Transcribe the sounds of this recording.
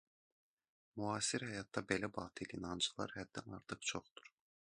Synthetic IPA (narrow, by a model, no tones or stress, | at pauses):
muɑːsiɾhæjɑt̪ːɑbe̞læbɑːt̪ʰilinɑnd͡ʒɯlˠɑ̰ɾhæd̪ːænɑ̰ɾt̪ʰɯqt͡ʃʰoχd̪̥u̥ɾ̥